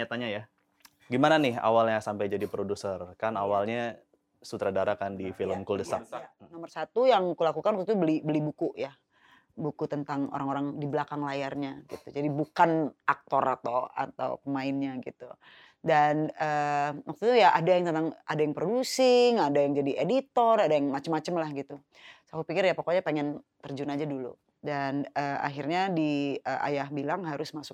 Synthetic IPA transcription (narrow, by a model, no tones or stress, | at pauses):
ɲat̪aɲaja | ɡimananɪha̰walɲasampajd͡ʒadipɾodusərkanawalɲa | sut̪ɾadaɾakandifiləmkuldəsanɔmərsat̪ujaŋkulakukanwak̚t̪ut̪ubəlibəlibukuʔja | bukut̪ənt̪aŋo̰ɾaŋoɾaŋdiblakaŋlajarɲaɡḭt̪ud͡ʒadibukanʔak̚t̪ɔrat̪oa̰t̪a̰w̰pəmaɪnɲaɡit̪ṵ | danəwʔak̚t̪ut̪ujaʔadajaŋt̪ənt̪aŋadajaŋpɾodusɪŋadajaŋd͡ʒadiʔedit̪ɔradajaŋmat͡ʃəmːat͡ʃəmlahɡit̪u | sakupikɪrjapokoɲapeŋɛnt̪ərd͡ʒunad͡ʒadulṵ | danəa̰ɦirɲadiəʔa̰jahbilaŋɦaɾʊsmasʊk̚